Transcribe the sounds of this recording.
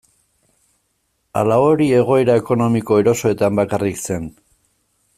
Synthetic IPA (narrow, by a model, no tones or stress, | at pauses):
a̰lao̞ɾie̞ɣ̞o̞eɾae̞ko̞no̞miko̞e̞ɾo̞so̞e̞t̪ambakarikse̞n